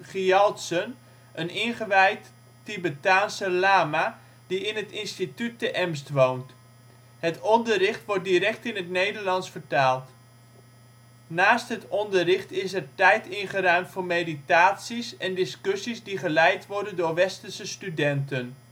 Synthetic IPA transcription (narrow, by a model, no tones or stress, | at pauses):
χiɔltsən | ʔənɪnχəʋɛjtː | ibətaːnsəlaːma | diɪnɦətɪnstityt̚ːəʔɛmstʋownt | hətɔndərɪχtʋɔɹt̚diɾɛk̚tɪnətnejdəɹlɑnsfərtaːlˠt | naːstɦətɔndərɪχtɪsɛɹtɛjtɪnχəɾœɥmtfʊɹmejditaːtsisɛndɪskɵsizdiχəlɛjtʋɔɹdəndʊːɹʋɛstənsəstydɛntən